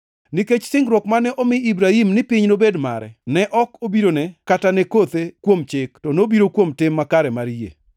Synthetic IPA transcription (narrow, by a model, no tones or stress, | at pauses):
niket͡ʃsɪŋɡɾwɔkmanɛʔɔmɪibɾaimnɪpɪɲnobedma̰ɾɛ̰nɛʔɔkobiɾonɛkatanɛkot̪ekwomt͡ʃɪktɔnobiɾokwomtɪmːakaɾɛmaɾjḛ